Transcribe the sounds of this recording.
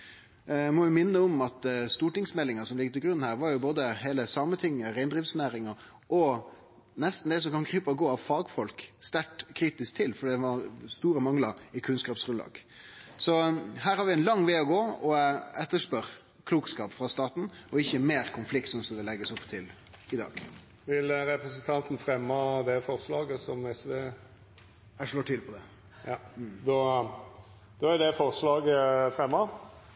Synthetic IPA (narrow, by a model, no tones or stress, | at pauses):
mɔʋɪmɪnːəɔmɑt̪st̪uːʈɪŋsmɛlːɪŋɑsɔmlɪɡ̚t̪ʰɪɡɾʉnːhæːɾʋɑɾjʊboːd̪əɦeːləsɑːmət̪ʰɪŋːəɾæɪnd̪ɾiːfsnæːɾɪŋɑ | ʔɔ | nɛst̪n̩d̪ɛs̬ɔmkɑnkʰɾyːpəɡoːɑʋfɑːɡfɔlkst̪æʈkʰɾiːt̪ɪsk̚t̪ʰɪlfɔɖɛːd̪ɛʋɑɾst̪uːɾəmɑŋlɑɾɪkʰʉnskɑːpsɾʉnlɑ̰ːɡ̥ | sɔɦæːɾhɑɾʋɪæɪnlɑŋːʋeːɔɡoːɔɛt̪ːəʂpœɾ | kʰluːkskɑːpfɾɑst̪ɑːt̪n̩ɔɪçːəmeːɾkʰʊnflɪk̚t̪sɔnsɔmd̪ɛlɛɡːəsɔpːt̪ʰɪl | ɪd̪ɑ̰ːɡ̥ | ʋɪlɾɛpɾɛsənt̪ʰɑnt̪n̩fɾɛmːɑd̪ɛfɔɾslɑːɡəsɔmɛsd̪eː | æʂɭoːʈʰɪlpʰɔd̪ɛ | jɑd̪ɔ | d̪̥ɔæd̪ɛfɔʁslɑːɡəfɾɛmːɑ